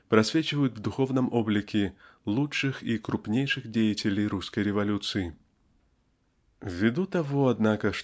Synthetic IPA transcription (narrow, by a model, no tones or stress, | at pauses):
pɾɐsvʲet͡ɕɪvəjʊt̪vd̪ʊxovnəmoblʲɪkʲɪlˠutʂɨxikɾupnʲejʂɨxdʲejɪtʲɪlʲejɾuskəjɾʲɪvɐlʲut̪sɨjɪ | vʲːɪd̪ut̪ɐvoɐd̪nakəʂ